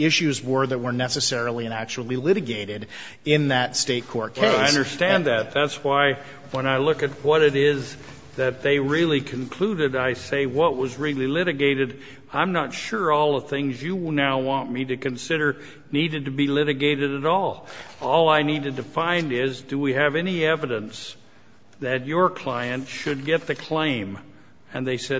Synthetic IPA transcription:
ɪʃʉzwə˞ðɨt̚wə˞nɛsɨsɛɹl̩ˠiɨ̃næk̚t͡ʃul̩ˠilɪɾɨɡeɪɾɪɾ | ɪ̃nðɨtsteɪt̚kʰɔɹt̚kʰeɪaɪʌ̃ndə˞stæ̃nðɨt̪̚ðætswaɪ | wə̃ñaɪlʊkɨt̚wʌɾɨɾɪz | ðɨt̪̚ðeɪɹɪlˠikʰɨ̃n̩kʰl̥uɾɨɾaɪseɪwʌʔ̚wʌzɹilˠilɪɾɨɡeɪɾɨd | ãɪ̃mnətʃʊɹɔlˠəv̥θɪ̃ŋzjɨnaʊwɑ̃nmiɾɨkɨ̃nsɪɾə˞ | niɾɨd̚tɨbilɪɾɨɡeɪɾɨɾɨɾɔlˠɔlˠaɪniɾɨd̚tɨfãɪ̃ndɪzdɨwiɨvɛniɛvɨɾɨ̃ns | ðɨt͡ʃə˞kʰl̥aɪɨ̃ntʃɨd̚ɡɛt̪̚ðɨkʰl̥ẽɪ̃m | ɨ̃nðeɪsɛ

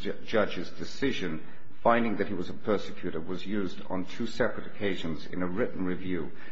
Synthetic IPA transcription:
d͡ʒʌd͡ʒɨzdɨsɪʒɨ̃n | fãɪ̃ndɪ̃ŋðɨt̚hiwʌzəpʰɜ˞sɨkʰj̥ʉɾə˞wʌzjʉzdn̩tʰʉsɛpɹɨɾɨkʰeɪʒɨ̃nzɨ̰̃nɨɹɪʔn̩ɹɨvjʉ

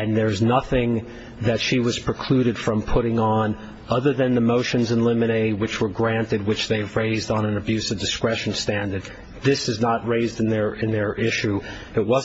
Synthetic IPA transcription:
ɨ̃nðə˞znʌθɪ̃ŋ | ðɨtʃiwʌz̥pʰɹ̥ɨkʰl̥ʉɾɨd̥fɹʌ̃mpʰʊɾɪ̃ŋə̃n | ʌðə˞ðɨ̃nðəmoʊʃɨ̃nzɨ̃nlɪ̃mɨneɪwɨt͡ʃwə˞ɡɹæ̃ntɨd̚wɨt͡ʃðeɪvɹeɪzdn̩ə̃nɨbjʉsʌvdɨskɹɛʃn̩stæ̃ndə˞d̪̚ | ðɪsɨznət̚ɹeɪzdɨ̃nðə˞ɪ̃nðə˞ʔɪʃʉ | ɨt̚wʌz

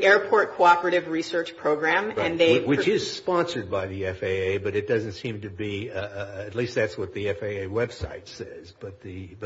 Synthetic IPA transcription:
ʔɛɹpʰɔɹt̚kʰoʊɑpə˞ɨɾɨvɹisɜ˞t͡ʃpʰɹ̥oʊɡɹæ̃mɨ̃nnðeɪwɨt͡ʃɪz̥spɑ̃nsə˞d̚baɪðiɛfeɪeɪbʌɾɨt̚d̥ʌzɨ̃ntsĩmtɨbi | ɨtˡlist̪̚ðætswʌt̪̚ðiɛfeɪeɪwɛb̥sa̰ɪtsɛzb̥ʌt̪̚ðɨ

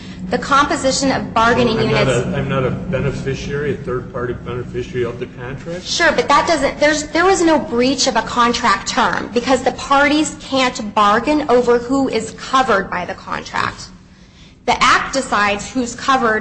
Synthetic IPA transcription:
ðɨkʰɑ̃mpɨzɪʃɨ̃nʌvbɑɹɡɨ̃nɪ̃ŋjʉ̃nɨɾãɪ̃mnəɾɨbɛnɨfɪʃɛɹiɨθɜ˞d̚pʰɑɹɾivbɛnɨfɪʃəɹiʌvðɨpʰæ̃ntʰɹ̥ɪkʃʊɹbʌt̪̚ðət̚d̥ʌzɨ̃nðə˞zðə˞ɪznoʊbɹit͡ʃʌvəkʰɑ̃ntʰɹ̥æk̚tʰɜ̰̃˞mbɨkʰʌzðɨpʰɑɹɾiz̥kʰæ̃nb̥ɑɹɡɨ̃noʊvə˞huɪz̥kʰʌvə˞d̚baɪðɨkʰɑ̰̃ntʰɹ̥æ̰k̚t̚ | ðiʔæk̚t̚d̥ɨsaɪdz̥hʉz̥kʰʌvə˞d

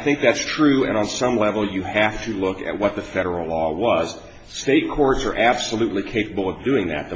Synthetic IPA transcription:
θɪ̃ŋk̚ðætstʰɹ̥ʉɨ̰̃ñə̃nsʌ̃mlɛvl̩ˠjɨhæftʰɨlʊkɨ̰t̚wʌt̪̚ðɨfɛɾə˞l̩ˠlɔwʌz̥ | steɪt̚kʰɔɹtsə˞ʔæb̥səlʉtˡlikʰeɪpəbl̩ˠʌvdʉɪ̃ŋðɨ̰t̪̚ðɨ

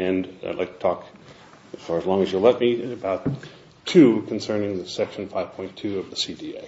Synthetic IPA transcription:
ɨ̃n̰dˡla̰ɪttʰɔk | ɨz̥fɑɹəzlɔ̃ŋɨzjəlɛt̚miɨbaʊtʰ | ʉkʰn̩sɜ̃˞nɪ̃ŋðɨsɛkʃɨ̃n̩faɪv̥pʰɔ̃ɪ̃ntʰʉʌvðəsidiḛɪ

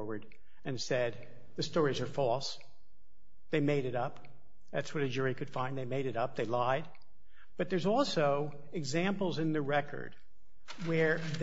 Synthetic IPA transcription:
wə˞ɾ | ɨ̃nsɛd̪̚ | ðɨstɔɹizə˞fɔlˠs | ðeɪmeɪɾɨɾʌp | ðætswʌɾɨd͡ʒʊɹikʰɨd̥fãɪ̃nðeɪmeɪɾɨɾʌp̚ðeɪlaɪd̚ | b̥ʌt̪̚ðə˞zɔlˠsoʊ | ɨɡzæ̃mpl̩ˠzɨ̃nðɨɹɛkʰə̰˞d̥̚ | wə˞ð

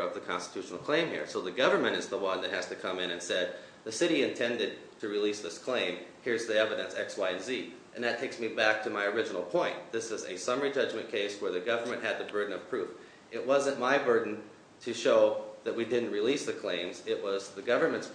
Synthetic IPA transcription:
ʌvðɨkʰɑ̰̃nstə̥tʰʉʃn̩l̩ˠkʰl̥ẽɪ̃mhḭɹsoʊðɨɡʌvə˞mɨ̃ɾ̃ɨzðəwʌ̃nðɨt̚hæz̥tɨkʰʌ̃mɨ̃ñɨ̃nsɛd̪̚ | ðɨsɪɾiɨ̃ntʰɛ̃ndɨd̚tʰɨɹilisðɪskʰl̥ẽɪ̃mhɪɹzðiɛvɨɾɨ̃nsɛ̰kswaɪɨ̃nzi | ʔɨ̃nðɨtʰeɪksmibæk̚tʰɨmaɪə˞ɪd͡ʒənl̩ˠpʰɔ̃ɪ̃nðɪsɨzɨ̰sʌ̃mə˞id͡ʒʌd͡ʒmɨ̃nkʰeɪswə˞ðɨɡʌvə˞mɨ̃nʔɦɨd̪̚ðɨbɜ˞dⁿn̩ʌv̥pʰɹ̥ʉf | ʔɨʔ̚wʌzɨ̃nmaɪbɜ˞dⁿn̩ | tʰɨʃoʊðɨt̚widɪdⁿn̩t̚ʔ̚ɹilisðɨkʰl̥ẽɪ̃mzɪʔ̚wʌzðɨɡʌvə˞mɨ̃nts

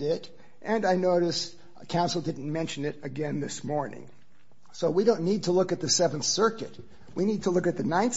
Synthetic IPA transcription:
ɪɾ | ʔɨ̃naɪnoʊɾɨs | kʰãʊ̃nsl̩ˠdɪdⁿn̩mɛ̃nʃɨ̃nɨɾɨɡɛ̃nðɪsmɔɹnɪ̰̃ŋ | soʊwiɾõʊ̃nːid̚tʰəlʊkɨt̪̚ðɨsɛṽnθsɜ˞kɨt̚ | winid̚tʰəlʊkɨt̪̚ðɨnãɪ̃n

